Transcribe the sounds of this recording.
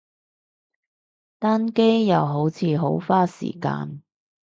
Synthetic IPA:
t̪aː˥nke˥jjɐ˨˧wɦo˨˥wt͡sʰiː˨˧ɦo˨˥wfaː˥sḭː˨˩ka̰ː˧n

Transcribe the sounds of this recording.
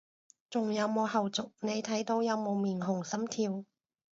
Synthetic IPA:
t͡sʊ˨ŋjɐ˨˧wmo˨˧whɐ˨wt͡sʊ˨k̚ne˨˧jt̪ʰɐ˨˥jt̪o˨˧wjɐ˨˧wmo˨˧wmiː˨˩nɦʊ˨˩ŋsɐ˨˥mt̪ʰiː˧w

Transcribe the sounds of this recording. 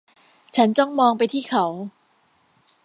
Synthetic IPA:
t͡ɕʰa˦˥nt͡ɕɔ˥˩ŋmɔː˧ŋpa˧jt̪ʰiː˥˩kʰa˨˦w

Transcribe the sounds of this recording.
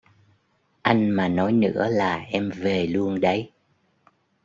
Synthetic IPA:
ʔa˧jŋ̟maː˨˩nɔ˨˦jnɨ̰˧˥əlaː˨˩ʔɛ˧mve˨˩lu˧ənɗə˨˦j

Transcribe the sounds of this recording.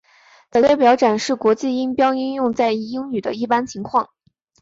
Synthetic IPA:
t̪ə˧˩˥jɛ˥˩pjɑ˧˥ʊʈ͡ʂa˨˩nʂɻ̩˥˩kwɔ˧˥t͡ɕi˥˩i˥npjɑ˥ʊi˥njʊ˥˧ŋt͡sa˥˧ɪ˥˩i˥ŋny˨˩d̪ə˦i˥˩pa˥nt͡ɕʰi˧˥ŋkʰwɑ˥˩ŋ

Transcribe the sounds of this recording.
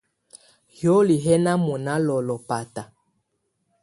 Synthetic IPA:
jo˦li˨ɦɛ˦na˦mɔ˨na˦lɔ˨lɔ˨pa˨ta˨

